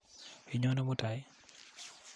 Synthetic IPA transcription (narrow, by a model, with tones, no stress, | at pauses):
i˨ɲɔ˦no˦mota˨j